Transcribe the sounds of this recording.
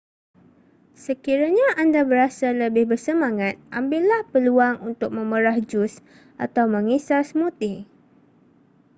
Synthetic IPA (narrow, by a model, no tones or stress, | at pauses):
səkiɾaɲãʔandabəɾasaləbɪhbərsəmãŋat̪̚ʔambɪlːahpəluaŋunt̪ʊk̚mə̃məɾahd͡ʒʊs | ʔa̰t̪awmə̃ŋisasmut̪ɪh